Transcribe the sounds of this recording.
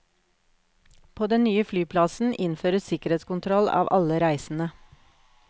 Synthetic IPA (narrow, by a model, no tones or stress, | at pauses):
pʰoːd̪ɛnnyːəflyːpʰlɑsn̩ʔɪnføːɾəssɪkəɾeːt̪skʊnt̪ʰɾɔlɑ̰ːʋʔɑləɾæɪsn̩ə